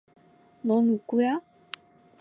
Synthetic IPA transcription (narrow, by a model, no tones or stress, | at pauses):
nonukuja